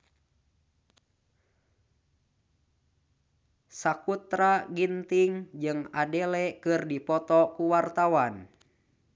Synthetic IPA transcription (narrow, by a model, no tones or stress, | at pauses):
sakut̪ɾaɡint̪iŋd͡ʒɨŋadɛlɛkɨrdipɔt̪ɔkuwart̪awan